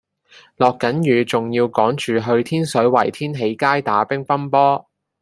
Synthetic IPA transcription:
lɔː˨kːɐ˨˥njyː˨˧t͡sʊ˨ŋjiː˧wkɔː˨˥ŋt͡ʃyː˨ɦɵ˧ɥt̪ʰiː˥nsɵ˨˥ɥwɐ˨˩jt̪ʰiː˥nɦe˨˥jkaː˥jt̪aː˨˥pɪ˥ŋfɐ˥npɔː˥

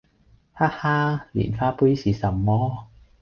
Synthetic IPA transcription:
haː˥haː˥lḭː˨˩nfaː˥pu˥jsiː˨sɐ˨mːɔː˥

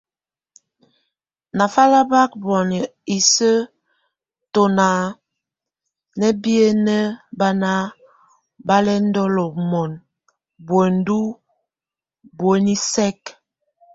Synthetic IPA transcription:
na˨fa˦la˦ba˦k̚bɔ˨n˨i˨sə˦ | to˨na˨ | nə˦bi˦e˦nə˦ba˦na˦ | ba˦lɛ˦n̩˦dɔ˦lɔ˨mɔ˨n | bwe˨n˦du˦ | bwe˨˦ni˦sɛ˦k

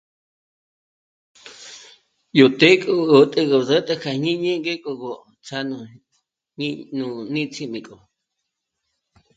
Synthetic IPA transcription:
jo˨t̪e˦kʼo˧o˨t̪ʼə˧ɣo˧˨zə˦t̪ʼə˧kʰa˧˨ɲĩ˦ɲẽ˦ŋɡe˦kʼo˧ɣo˧˨ | t͡sʰa˧nu˧ | ɲnũ˧nĩ˦t͡sʰi˧mĩ˨kʼo˨

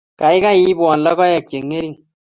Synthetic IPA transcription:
ka˨ɪ˦ka˦i˦bwɔ˨nlɔ˦kɔ˦jɛ˨k̚t͡ʃe˨ŋːe˦ɾi˦˨ŋ

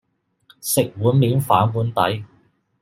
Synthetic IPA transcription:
sɪ˨k̚wuː˨˥nmiː˨˥nfaː˨˥nwuː˨˥nt̪ɐ̰˨˥j

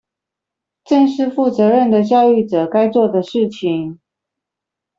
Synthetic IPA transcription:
ʈ͡ʂə˥˧nʂɻ̩˥˧fu˥˩t͡sɤ˧˥ɻə˥˩nd̪ə˩t͡ɕjɑ˥˧ʊy˥˩ʈ͡ʂɤ˨˩ka˥ɪt͡swɔ˥˩d̪ə˩ʂɻ̩˥˩t͡ɕʰi˨˩ŋ

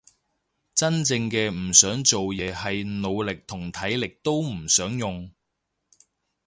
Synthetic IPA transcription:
t͡sɐ˥nt͡sɪ˧ŋkɛː˧m̩˨˩sœː˨˥ŋt͡so˨wjɛː˨˧hɐ˨jno˨˧wlɪ˨k̚t̪ʰʊ˨˩ŋt̪ʰɐ˨˥jlɪ˨k̚t̪o˥wm̩˨˩sœː˨˥ŋjʊ˨ŋ

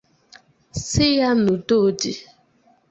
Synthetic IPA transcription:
sɪ˦ja˦nu˨do˦˨di˨

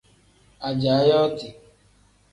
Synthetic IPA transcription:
a˨d͡ʒa˨˦jɔ˦tɪ˨

